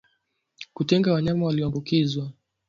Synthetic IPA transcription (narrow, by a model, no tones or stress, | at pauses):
kutɛŋɡawaɲamawaliɔambukizwa